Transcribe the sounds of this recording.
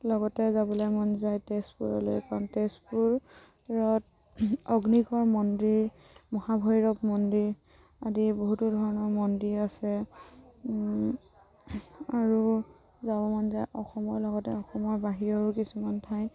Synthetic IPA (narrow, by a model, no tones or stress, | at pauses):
lɔɡɔtɛzabɔlojmɔnzajtespuɹɔlo̰jkaɹɔntespuɹ | ɹɔt | ɔɡnikɔɹmɔndɹiɹ | mɔhabʱɔjɹɔpmɔndiɹ | adiboɦutudʱɔɹɔnɔɹmɔndiɹasɛ | aɹu | zabɔmanzajʔɔxɔmɔɹlɔɡɔtɛɔxɔmɔɹbaɦiɹɔukisumantʰaj